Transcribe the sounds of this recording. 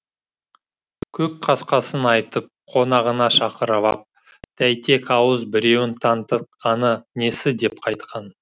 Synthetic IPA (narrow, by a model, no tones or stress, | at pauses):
kʲʰɵk̚qʰɑsqɑsənɑjt̪əp̚qʰo̞nɑʁənɑʃɑqəɾɑlɑ̰p̚ | d̪̥æjt̪ʰe̞kɑwəzbɪɾe̞wɪnt̪ʰɑnt̪ət̪̚qɑnəne̞sɪd̪e̞p̚qʰɑjt̪qɑn